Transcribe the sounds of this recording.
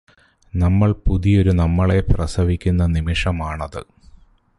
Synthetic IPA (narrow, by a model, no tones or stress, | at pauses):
nɐmːɐɭpuðijo̞ɾunɐmːɐɭeprɐsɐʋikʲːunːɐnimiʂɐmaːɳɐðɨ̰